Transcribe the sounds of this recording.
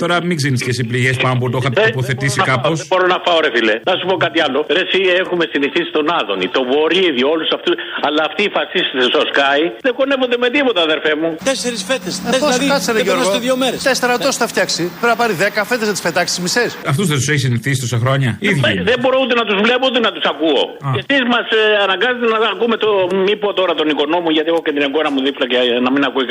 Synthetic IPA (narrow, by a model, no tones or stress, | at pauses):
t̪o̞ɾɐmiɡzeɾnisces̬ipliʝespɐnop̬ut̪oxɐt̪poθe̞t̪isikɐpo̞soɾonɐfɐoɾefilenɐsupo̞kɐt̪iɐlo̞ɾesiexumesiniθisi̥t̪o̞nɐðo̞nḭt̪o̞vo̞ɾiiðio̞lusɐft̪usɐlɐːft̪iːfɐsist̪isesoskɐjðeɡonevo̞nd̪eme̞t̪ipot̪ɐːðe̞ɾfemut̪eseɾisfet̪esefoɐsɐɾɐʝosoeðjomeɾet̪eseɾɐt̪osθɐft̪çɐksipeɾɐpɐɾiðekɐfet̪znɐt̪i̥sfet̪ɐksizmisesɐft̪uzðesuseçisiniθisi̥t̪o̞sɐxɾo̞ɲɐiðjðembo̞ɾout̪̬enɐt̪uzvlepout̪enɐt̪usɐkuo̰ | cesizmɐsɐnɐŋɡɐzet̪̬enɐɐkume̞t̪omipot̪o̞ɾɐt̪o̞niko̞no̞muʝɐt̪iexocet̪ineŋɡonɐmuðiflɐcenɐminɐkui